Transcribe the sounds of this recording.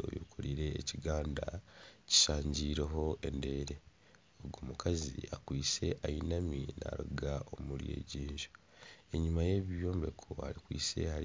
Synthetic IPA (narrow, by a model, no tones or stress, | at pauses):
o̰jṵkʰuɾiɾe̞ːciɡaːndaci̥saːɲɟiːɾeɦo̞ʔe̞nde̞ːɾe̞ | oɡoːmukʰazḭakwiːse̞ʔajinamina̰ɾuɡaʔomuljḛːɟiːɲʒo | e̞ɲumaje̞ββjoːmbe̞kʰohaɾikwḭːse̞haɾ